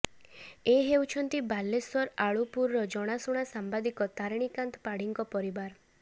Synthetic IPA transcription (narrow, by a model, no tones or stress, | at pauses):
eɦewt͡ʃʰɔnt̪ibalːeswɔɾaɭupuɾːɔd͡ʒɔɽ̃asuɽ̃asambad̪ikɔt̪aɾɽ̃ikant̪ɔ̥paɽiŋkɔpɔɾibaɾ